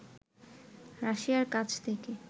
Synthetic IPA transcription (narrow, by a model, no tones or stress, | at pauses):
ɾaʃijaɾkat͡ɕʰt̪ʰeke